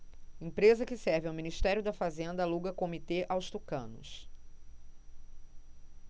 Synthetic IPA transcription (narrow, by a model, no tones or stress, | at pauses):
ẽpɾezɐkɪsɛɾvɪawminiʃt̪ɛɾjʊd̪ɐfazẽnd̪ɐaluɡɐkomit̪eʔawst̪ukɐ̰̃nʊ̰s